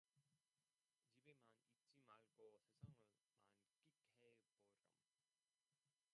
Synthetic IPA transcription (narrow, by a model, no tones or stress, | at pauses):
t͡ɕibemanit̚t͡ɕ͈imaɭɡosʰe̞sʰaŋɯɭma̰nk͈ikheb̥oɾʌ̰m